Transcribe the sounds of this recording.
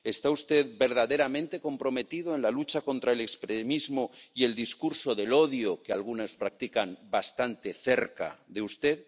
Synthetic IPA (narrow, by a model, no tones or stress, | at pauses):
e̞st̪aust̪e̞ðbe̞ɾð̞aðe̞ɾamẽ̞nt̪e̞ko̞mpɾo̞me̞t̪iðoenlalut͡ʃako̞nt̪ɾae̞lekspɾemizmoie̞ld̪iskuɾso̞ðe̞lo̞ðjokealɣunaspɾak̚t̪ikambast̪ant̪e̞θe̞ɾka̰ðe̞ust̪e̞ð